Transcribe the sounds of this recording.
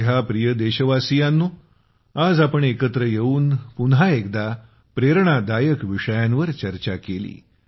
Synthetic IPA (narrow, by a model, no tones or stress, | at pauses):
ɦjapɾijəd̪eɕəʋasijanːuː | ad͡zapəɳekət̪ɾəjeuːnpunɦaekd̪a | pɾeɾɳad̪ajəkʋiʂəjanʋəɾt͡ɕəɾt͡ɕakelḭː